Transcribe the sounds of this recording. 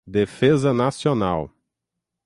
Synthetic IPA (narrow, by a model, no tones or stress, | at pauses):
d̪efezɐnasionaw